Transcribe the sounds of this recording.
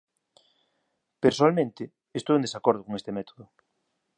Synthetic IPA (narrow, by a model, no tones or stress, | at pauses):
peɾsoalmẽnt̪ɪː | st̪owend̪esakoɾðʊkoŋest̪emɛt̪oðʊ